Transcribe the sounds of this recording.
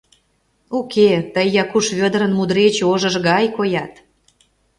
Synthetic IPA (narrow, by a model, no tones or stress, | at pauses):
okʰet̪əjːɑkuʃβød̪ɾə̆nmud̪ɾet͡ɕoʒə̆ʒɣɑjkojɑt̪